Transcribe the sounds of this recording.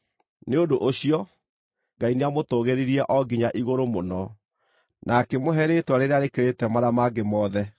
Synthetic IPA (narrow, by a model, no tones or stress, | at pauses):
neodoʔoɕiɔ | ŋɡaineamotoɣeɾiɾiɛʔɔɡiɲaʔiɣoɾomonɔ | nʔakemoɦɛɾetwaɾeɾeaɾekeɾetɛmaɾamaɡemɔðɛ